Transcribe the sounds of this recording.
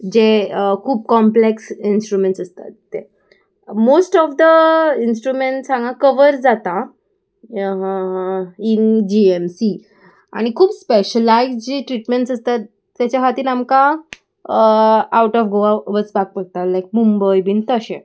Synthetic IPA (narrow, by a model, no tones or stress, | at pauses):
d͡ʑekʰuːb̚kɔmpleksinsʈɾumẽɳʈsəst̪a̰t̪ːe | mosʈɔfd̪əinsʈɾumeɳʈsãŋɡãkəʋəɾd͡zat̪a | ɦ | ind͡ʑiemsi | a̰ɽ̃ikʰuːbspeɕəlːajkd͡ʑiʈɾiʈmeɳʈsəst̪at̪ː | jat͡ɕjaɦat̪iːnamka | awʈɔfɡoaʋət͡sbak̚pəɡ̚t̪alajk̚mumbəjbiːnt̪əɕẽ